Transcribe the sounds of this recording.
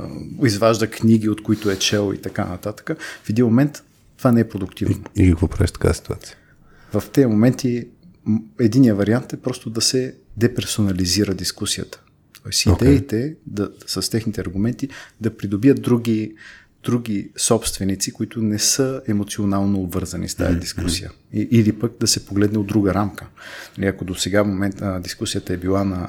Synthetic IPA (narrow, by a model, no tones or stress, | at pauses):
izvaʒd̪əkniɡʲiot̪koit̪ʊɛt͡ʃɛlˠḭt̪ɐkanɐ̰t̪at̪ə̥kəfɛd̪inmomɛnt̪ː | vanɛɛpɾod̪ʊk̚t̪ivnoikɐkvɔpɾa̰viʃt̪ɐ̥ka̰əsi̥t̪ua̰t̪siə | vɐft̪ɛəmomɛnt̪i | ɛd̪inijəvɐɾiant̪ɛpɾɔst̪ʊd̪ɐsɛd̪ɛpɛɾsonɐliziɾəd̪iskusiə̰t̪ə̥ | t̪ɔɛsiod̪ɛit̪ɛd̪ɐsɐst̪ɛxnit̪ɛɐɾɡʊmɛnt̪id̪ɐpɾid̪obijət̪̚d̪ɾuɡi | d̪̥ɾuɡʲisɔpst̪vɛnit̪sikoit̪ʊnɛsɤɛmot̪sionalˠnoːbvɤɾzɐnḭst̪a̰ja̰d̪iskusijə̰ | iʔːlipək̚d̪ɐsɛpoɡlɛd̪nɛod̪ːɾuɡəɾamkənliɐkod̪osɛɡafmomɛnt̪d̪iskusijət̪əɛbilˠanɐ